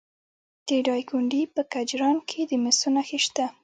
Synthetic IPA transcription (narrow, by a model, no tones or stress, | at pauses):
t̪eɖɑjkuɳɖipəkad͡ʒɾɑnkʰed̪əmɪsunaxiʃt̪a